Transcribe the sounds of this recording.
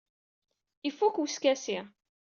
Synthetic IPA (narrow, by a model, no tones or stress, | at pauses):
ifːukwskæsɪʁ